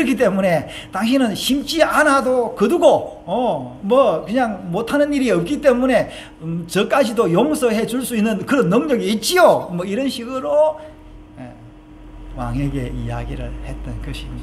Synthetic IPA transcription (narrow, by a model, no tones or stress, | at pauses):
ɾʌkʰit͈e̞mune̞ | taŋɕ̬ʰinɯnɕʰimt͡ɕ͈ianadokɯduɡoʌmʌkɯɲaŋmotʰanɯniɾiʌp̚k͈it͈e̞mune̞ | t͡ɕʌk͈ad͡ʑʰidojoŋsʰʌhe̞d͡ʑuɭs͈uinːɯnkɯɾʌnːɯŋɲʌɡiːt̚t͡ɕ͈ijomʌiɾʌnɕʰiɡɯɾo | jḛ | wa̰ŋeɡe̞̰ḭja̰ɡiɾɯ̰ɭhe̞t̚t͈ʌnkʌɕʰiɲida